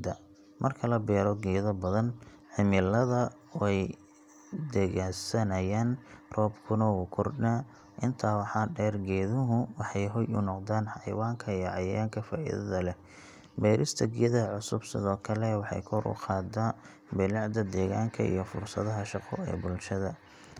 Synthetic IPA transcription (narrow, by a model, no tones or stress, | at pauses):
d̪ɐ | mʔɐrkʰɐlɐbɛːɾɔɡɛːðɐbɐðɐn | ʕɪmɪlɐðɐ | ɛj | d̪ɛɣaːsɐnɐjaːnrɔːbkʰʊnɐwʊkʰʊrda | ʔɪnt̪ʰaːwɑħɑːɖɛːrɡɛːðʊɦʊwɑħɑjɦɔjʊ̰nɔqd̪aːnħɑjwaːŋkʰɐijɔʕɑjaːŋkʰɐfa̰ːʔḭðɐðɐlɛ | bɛːɾɪst̪ʰɐɡːðɐɐʕʊsʊbsɪ̰ðɔːkʰɐlɛwɑħɑ̰jkʰɔɾʊ̰qɑːd̪a | bɪlɑʕd̪ɐd̪ɛːɣaːŋkʰɐ̰ʔḭjɞfʊ̰rsɐðɐɦɐʃɑqɔ̰ɛ̰ːbʊlʃɐðɐ